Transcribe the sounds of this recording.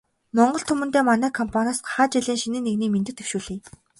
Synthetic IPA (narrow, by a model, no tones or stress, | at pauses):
mɔɴɢɞ̆ɬt̪ʰɵmɵ̆nt̪eːmanæːkʰɔmpʰanʲasɢḁχaːt͡ɕiɮiːŋʃinɘ̆nːeɣniːment̪ɘ̆kt̪ewʃuːɮiː